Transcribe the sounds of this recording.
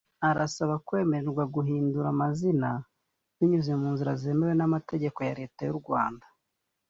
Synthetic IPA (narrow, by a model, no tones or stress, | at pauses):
aɾasaβakwe̞ːmeɾɾɡwaɡuɦiːnduɾamazina | niɲuzemuːnziɾazemeɾwenamate̞ɟeko̞jaɾe̞ːtajuɾɡwaːnda